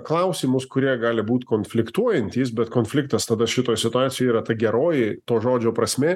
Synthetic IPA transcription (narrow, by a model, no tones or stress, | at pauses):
klˠɐʊsʲiːmʊskʊɾʲiɛɡɑːlʲɪbuːt̪ʲkoːnʲfʲlʲɪkt̪uɔjɛnʲt̪ʲiːsbʲɛt̪koːnfʲlʲɪk̚t̪ɐst̪ɐd̪ɐʃʲɪt̪oːjsʲɪt̪ʊɑːt̪sʲɪjojiːɾɐt̪ɐɡʲɛɾoːjɪt̪oːʒoːd͡ʒʲoːpɾɐsʲmʲeː